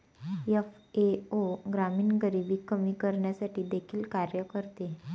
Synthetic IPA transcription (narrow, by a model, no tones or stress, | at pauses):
jefeoɡɾamiːnɡəɾibiːkəmiːkəɾɳjasaʈʰiːd̪ekʰiːlkaɾjəkəɾt̪e